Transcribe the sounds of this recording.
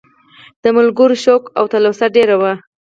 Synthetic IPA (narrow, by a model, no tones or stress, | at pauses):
d̪̥əmʊlɡʊɾoʃokawt̪alosaɖeɾawa